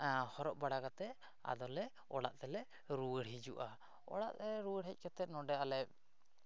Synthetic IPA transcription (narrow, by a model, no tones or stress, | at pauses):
hɔɾɔʔ̚baɽakat̪ɛ | a̰d̪ɔlɛ | ɔɽaʔt̪ɛlɛ | ɾuwəɽɦid͡ʒuʔa | ɔ̰ɽa̰ʔt̪ɛɾuwəɽɦɛc̚ˀkɛt̪ɛt̪̚nɔɖɛalɛp̚